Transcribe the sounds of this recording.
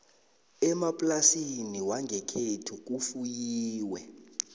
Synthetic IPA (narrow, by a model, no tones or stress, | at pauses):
ɛmapʼlasiniwaŋʱɛkʰetʰuk̬ufujiːwɛ